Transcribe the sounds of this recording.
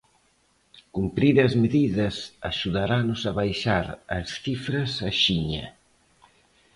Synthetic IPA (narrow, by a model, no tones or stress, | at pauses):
kumpɾiɾɐzmeðiðɐsa̰ʃuðaɾanʊsɐβajʃaɾɐ̰sθifɾɐsaʃiɲɐ̰